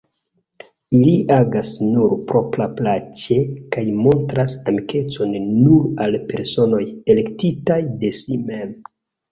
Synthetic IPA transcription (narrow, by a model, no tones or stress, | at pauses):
iliʔaɡasnuɾpɾo̞pɾaplat͡ʃe̞kajmo̞ntɾasamike̞t͡so̞nːuɾalpe̞ɾso̞no̞jele̞ktitajde̞simem